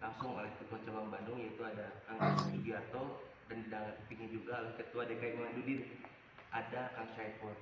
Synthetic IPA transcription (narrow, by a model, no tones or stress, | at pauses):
laŋsʊŋo̰lɛht̪ukot͡ʃabanbandʊŋjait̪uadakaŋid͡ʒiat̪ɔ | dandidaŋat̪piɲad͡ʒuɡalʊskət̪uadakaimandudiɾ | ʔadakaŋʃajpɔr